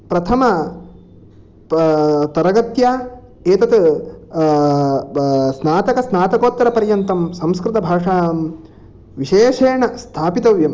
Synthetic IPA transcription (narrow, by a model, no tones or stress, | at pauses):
pɾɐt̪ʰɐmɐ | t̪ɐɾɐɡɐt̪jaː | eːt̪ɐt̪ | snaːt̪ɐkɐsnaːt̪ɐkoːt̪ːɐɾɐpɐɾjɐnt̪ɐmsɐ̃mskɾɪt̪ɐbʱaːʂaːm | ʋiʃeːʃeːɳɐst̪ʰaːpit̪ɐʋjɐm